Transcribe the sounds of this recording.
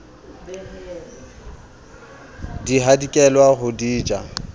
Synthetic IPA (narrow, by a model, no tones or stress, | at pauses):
diɦadikʼɛlwaχʊdiːd͡ʒa